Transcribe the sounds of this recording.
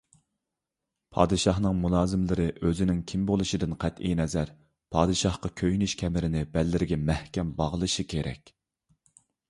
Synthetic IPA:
pʰɑ̰ːd̪ɨʃɑhnɨŋmulˠɑːzɨmlɪɾɨʔøzɪnɪŋkʲʰimbolˠɨʃid̪ɨnqʰɛt̪ʔijnɛzæɾ | pʰɑːd̪ɨʃɑhqɑkʲʰøjnyʃkʲʰɛmɪɾɪnɪbælːɪɾɪɡʲɛmæhkʲɛmbɑʁəlˠɨʃikʲʰeɾɛ̰kʲ

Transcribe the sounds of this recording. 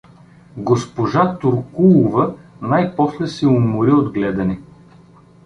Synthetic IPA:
ɡospoʒat̪ʊɾkulˠʊvɐnajpɔslɛsɛʊmʊɾiod̪ɡlɛd̪ɐnɛ

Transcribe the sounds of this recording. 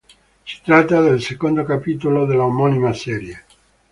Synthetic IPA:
si̥t̪ɾat̪ːad̪elsekond̪okapit̪olod̪elːaomɔnimasɛːɾje

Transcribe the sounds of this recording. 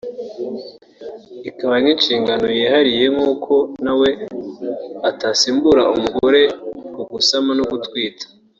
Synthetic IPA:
ikaβaninʃiːŋɡano̞jiːhaɾije̞ŋuːkʰo̞nawe̞ | atasiːmbuɾaumuɡoɾe̞koɡusamanoɡutkwiːtʰḁ

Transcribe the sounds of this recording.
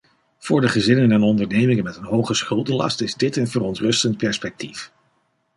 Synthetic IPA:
v̥ʊːɹdəχəzɪnənɛnɔndəɹnejmɪŋənmɛtənɦowχəsχɵlˠdəlɑ̰stɪzdɪtənvərɔntrɵstənt̚pɛɹspɛk̚tif

